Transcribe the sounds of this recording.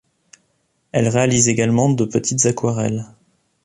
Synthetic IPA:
ɛlʁealizeɡalmɑ̃d̪əpət̪ʰit̪z̥akwaʁɛ̰l

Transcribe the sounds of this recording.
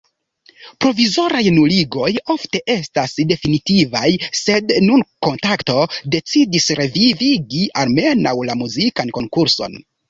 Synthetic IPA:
pɾo̞vizo̞ɾajnuliɡo̞jo̞fte̞ʔe̞stasde̞finitivajse̞dnunko̞ntakto̞de̞t͡sidisɾʔe̞viviɡialme̞nawlamuzikanko̞ŋkuɾso̞̰n

